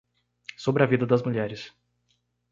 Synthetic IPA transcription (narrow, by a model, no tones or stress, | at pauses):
sobɾɪɐvid̪ɐd̪ɐzmuʎɛɾɪs